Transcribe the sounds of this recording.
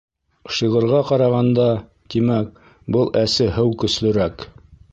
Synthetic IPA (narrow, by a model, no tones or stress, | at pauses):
ʃɤʁɤ̆ɾʁɑqɑɾɑʁɑnd̪ɑ | t̪imæk̚ | bɤlˠʔæsɘɦɘwkɵ̆slɵ̆ɾæk